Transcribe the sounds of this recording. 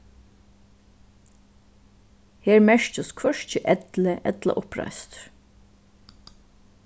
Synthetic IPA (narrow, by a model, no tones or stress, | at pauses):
heːɹmɛɹt͡ʃəskʰvœʃt͡ʃəʔɛt̪ləʔɛt̪la̰ʔʊpɹa̰jst̪